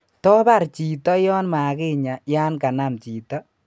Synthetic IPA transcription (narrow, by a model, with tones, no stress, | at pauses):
tɔ˦ba˦˨ɾt͡ʃi˨tɔ˦jɔ˦nma˨kɪ˦ɲa˨jaː˦nka˨na˨mt͡ʃiː˨tɔ˦